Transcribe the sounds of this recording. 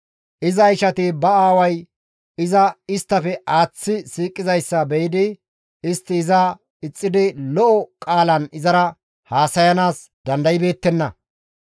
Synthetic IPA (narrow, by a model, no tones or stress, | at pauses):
ʔɪzɐɪʃɐt̪ɪbɐaːwɐj | ɪzɐɪst̪ːɐfɛʔaːt͡sːɪsiːkʼːɪzɐjsːɐbɛjɪd̪ɪ | ɪst̪ːɪːzɐ | ɪt͡sʼːɪd̪ɪlɔʔɔkʼaːlɐnɪzɐɾɐ | haːsɐjɐnaːs | d̪ɐnd̪ɐjɪbe̞ːt̪ːɛnːɐ